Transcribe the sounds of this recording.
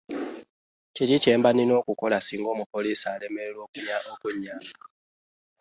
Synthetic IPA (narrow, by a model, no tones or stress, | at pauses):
cicice̞ːmbaninoːkuko̞lasiːŋɡo̞ːmupoliːsiale̞meɾelwo̞ːkuɲaʔokuɲːa